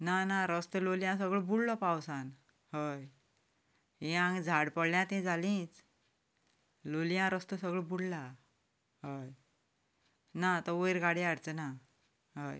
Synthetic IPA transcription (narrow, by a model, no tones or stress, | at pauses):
nanaɾəst̪əloljãsəɡɭəbuɽlɔpawsan | həj | ɦĩãŋɡd͡zʱaɽpəɽljãt̪ɛ̃d͡zʱalĩːt͡s | lolijãɾəst̪əsəɡɭəbuɽla | ɦəj | nat̪əʋəjɾɡaɽeaɽt͡səna | ɦə̰j